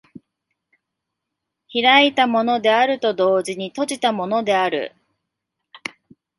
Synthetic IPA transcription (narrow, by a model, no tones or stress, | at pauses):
çiɾait̪amo̞no̞d̪e̞aɾɯ̟t̪o̞d̪o̞ːʑiɲ̟it̪o̞ʑit̪amo̞no̞d̪e̞aɾɯ̟̰